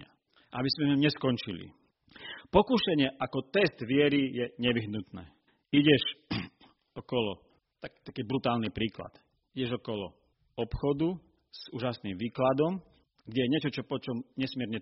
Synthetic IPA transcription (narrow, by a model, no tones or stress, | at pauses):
a | ʔabizmɛuɲɛskɔnt͡ʃilḭ | pɔkuʃɛɲɪɛʔakɔt̪ɛsd̪ʋɪɛɾijɛɲɛʋiɦnut̪nɛ̰ː | iɟɛʃ | ɔkɔlɔ | t̪akt̪akiːbɾut̪aːlnipɾiːkla̰t̪ | iɟɛʒɔkɔlɔ̰ | ɔpxɔd̪u | z̥uːʒasniːmʋiːklad̪ɔm | ɡɟɛjɛɲɪɛt͡ʃɔt͡ʃɔpɔt͡ʃɔmɲɛsmɪɛɾɲɛ